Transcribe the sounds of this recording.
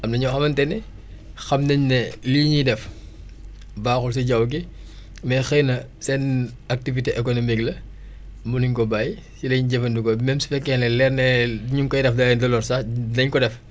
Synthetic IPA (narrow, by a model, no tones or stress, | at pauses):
ɐmnɐɲɐwxɐmɐntɛnɛ | xɐmnɐɲnɛliːɲidɛf | baːxuls̬iɟɐwɡ̬i | mɛxɛjnɐ | sɛnɐk̚tiviteʔɛkonomiklɐ | muniɲkɔbaːj | silɐɲɟɛfɐndukɔmɛmsi̥fɛkːɛnlɛlɛrnɛiɲuŋkɔjdɛfdɐlɛndɐlɔrsanɐɲkɔdɛf